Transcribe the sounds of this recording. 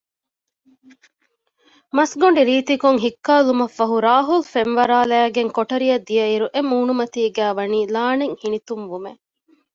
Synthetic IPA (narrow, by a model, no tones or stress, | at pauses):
mɐsɡoɳ̆ɖiɾiːt̪ikuŋɦikːaːlumɐfːɐɦuɾaːɦulfenʋɐɾaːlæːɡeŋkoʈɐɾijɐd̪ːijɐiɾuʔemuːnumɐt̪iːɡæːʋɐniːlaːneŋhinit̪umʋume